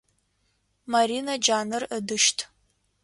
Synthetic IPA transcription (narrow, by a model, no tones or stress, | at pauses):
maɾinad͡ʒaːnɨrədɨʃtʰʼ